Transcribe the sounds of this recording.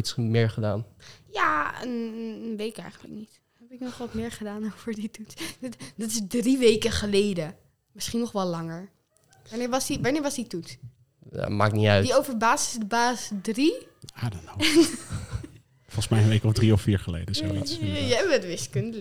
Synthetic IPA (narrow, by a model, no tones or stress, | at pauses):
itsmɪːɹχədaːnjaːənnʋejtɪkɛ̰jχənlə̰knit | hɛpɪknɔχʋɑtmɪːɹχədaːnowvəɹditutstdɑtɪsdriʋejkəχəlejdə | mɪsχinɔχʋɛllɑŋəɹ | aːnɪːɹʋɑsdiʋaːɹnɪːɹʋɑzdituts | a̰ma̰ːk̚niœɥtdiowvəɹbaːsɪsdəbaːsdri | adono | fɔlˠsmɛjənʋejkɔfdriɔfiːɹχəlḛjdəsotjəɛbətʋɪskəndəl